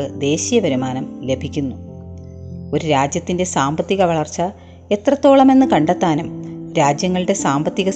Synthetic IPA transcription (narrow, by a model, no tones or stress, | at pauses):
ɨd̪e̞ːɕijɐbɐɾumaːnɐmle̞bʱikʲːunːu | o̞ɾuɾaːd͡ʑjɐt̪ːinde̞saːmbɐt̪ːiɣɐʋɐɭɐrt͡ɕːɐ | e̞t̪rɐt̪ːo̞ːɭɐme̞nːɨkɐɳɖet̪ːaːnɐmɾaːd͡ʑjɐŋːɐɭɨɽe̞saːmbɐt̪ːiɣɐ